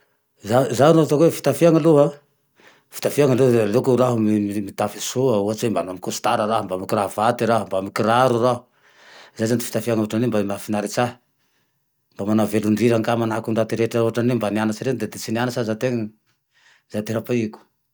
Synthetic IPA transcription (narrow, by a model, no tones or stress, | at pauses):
zazannot̪akwefi̥t̪afiaŋaluɦa | fi̥t̪afiaŋaloalekuraɦumiimit̪afisuauat͡sembanamikusu̥t̪aɾaraɦumbamikiravat̪iɾaɦumbamikiraɾuraɦu | zajzand̪i̥fi̥t̪afiaŋuaʈ͡ʂanembamafinaɾit͡saɦ | mbamanaveluɳɖ͡ʐiɾaŋkamanakunɳɖ͡ʐat̪iɾeʈ͡ʂauɦaʈ͡ʂanembanianat͡ʃiɾend̪ed̪et͡sinianasazat̪eŋani | zat̪eɾapaiku̥